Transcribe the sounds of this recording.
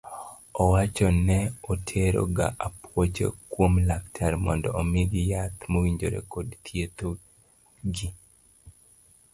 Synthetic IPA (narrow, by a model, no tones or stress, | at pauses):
ɔwat͡ʃɔnɛotʰeɾo̰ɡa̰ʔapwot͡ʃḛkwomlaktʰaɾmɔndɔːmeɡijat̪mowiɲd͡ʒoɾḛkodt̪jet̪o | ɡi